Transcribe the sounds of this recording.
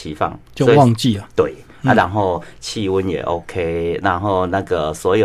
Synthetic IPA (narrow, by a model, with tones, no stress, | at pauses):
i˨˦fa̰˥˩ŋt͡ɕjo˥˧ɔ˦wɑ˥˧ŋt͡ɕi˥˨ə˨t̪we˥˩ɪ | a˦˧ɾa˧˦nɦo˥˧ʊt͡ɕʰi˥˧wu˦njḛ˨˩ʔo˧˦kʰe˦la˧˦nɦo˥˧ʊnã˥˧ɡə˨˩swɔ˧˥jo˨